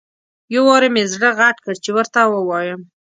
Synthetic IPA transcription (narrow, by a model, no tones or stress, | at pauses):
jowɑɾemezɽəɣaʈkəɽt͡ʃewəɾt̪awəwɑjəm